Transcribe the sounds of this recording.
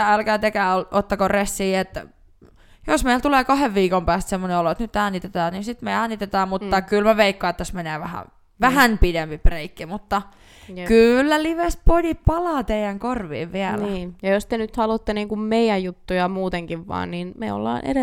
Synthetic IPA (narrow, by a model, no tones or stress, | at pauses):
æælkæːt̪ekæːolʔot̪ːɑkoresːiːet̪ː | josmeilt̪uleːkɑheʋʋiːkompæːst̪semːoneoloet̪nyt̪ːɑnːit̪et̪ɑːninsit̪meɑnːit̪et̪ɑːmmut̪ːɑkylmæʋeikːoːet̪ːæsmeneːʋæhæ̰ | ʋæhænpidempipreikːimut̪ːɑ | kylːæliʋespolʲipɑlɑːt̪eijæŋkorʋḭːʋʋiælniːjɑjost̪enyt̪hɑlut̪ːeniːŋkummeijæjjut̪ːujɑmuːt̪eŋkiʋʋɑ̰ːnninmḛo̰lːɑ̰ːnʔḛɾe